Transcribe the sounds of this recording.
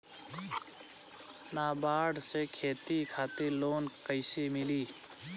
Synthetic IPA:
naːbaːɽsekʰeːt̪ikʰaːt̪eloːnkəɪsemɪliː

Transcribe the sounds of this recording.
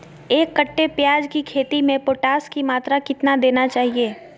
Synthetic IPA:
eːkːɐʈːepjaːd͡ʒkikʰeːt̪imẽpoːʈaːskimaːt̪ɾakɪt̪nad̪eːnat͡ʃaːɦieː

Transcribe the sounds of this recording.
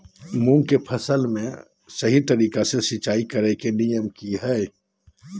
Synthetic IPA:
mũːŋkepʰɐsəlmẽ | sɐɦit̪ɐɾiːkasesɪt͡ʃaːikɐɾekenijəmkiɦɛː

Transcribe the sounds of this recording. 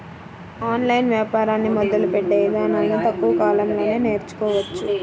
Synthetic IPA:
aːnlɐjnʋjaːpaːɾaːnːimɔd̪ɐlupɛʈːeːjɐd̪aːnalːit̪ɐkːuʋɐkaːlɐmlo̞ːneːne̞ːɾt͡ʃu̥kɔːʋɐt͡ʃːu

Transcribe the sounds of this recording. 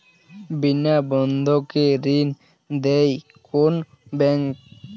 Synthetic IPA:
binabɔnd̪ʱokeɾin | d̪ej | kon | bɛŋk

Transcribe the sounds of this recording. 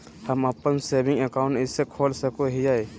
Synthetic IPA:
həməpːənseːbɪ̃ŋɡəkaʊ̃ɳʈɪsːekʰoːlsəkoɦiae

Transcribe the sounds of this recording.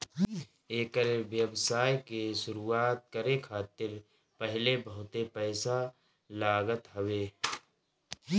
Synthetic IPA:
eːkəɾeʋjəbsaːjkeʃʊɾuːaːt̪̚kəɾekʰaːt̪ɪɾ | pəɦɪlebəɦʊt̪epɛːsa | laːɡət̪ɦəʋeː

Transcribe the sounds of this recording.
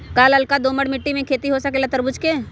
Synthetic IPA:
kaːlɐlkad̪oːməɽmɪʈːimẽkʰeːt̪iɦosɐkelɐt̪əɾbʊt͡ʃkeː

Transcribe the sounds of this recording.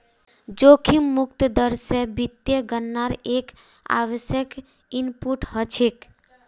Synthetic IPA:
d͡ʒokʰimːuk̚t̪əd̪əɾsebit̪jeɡənːaɾek | a̰ʋəsjək | inpuʈɦət͡ʃʰek

